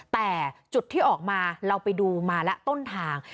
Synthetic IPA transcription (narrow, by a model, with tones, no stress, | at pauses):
t̪ɛː˨˩t͡ɕu˨˩t̪ʰːiː˥˩ʔɔː˨˩k̚maː˧ɾa˧wpa˧jduː˧maː˧lɛ˦˥ʔt̪o˥˩nt̪ʰaː˧ŋ